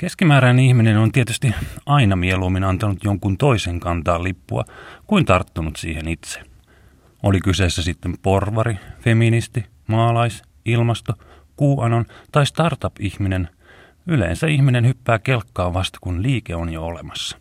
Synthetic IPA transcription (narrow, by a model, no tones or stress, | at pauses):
keskimæːɾænenihminenont̪iet̪yst̪iɑinɑmieluːmːinɑnt̪ɑnut̪joŋkunt̪oiseŋkɑnt̪ɑːllipːṵɑ̰kuint̪ɑrt̪ːunut̪sḭːhenit̪se̥ | olikyseːsːæsit̪ːemporʋɑɾifeminist̪i | mɑːlɑis | ilmɑst̪o | kuːʔɑnont̪ɑist̪ɑrt̪ɑpihminen | ylḛːnsæiçminenhypːæːkelkːɑːʋʋɑst̪ɑ̥kunliːkeonjoolemɑsːɑ̥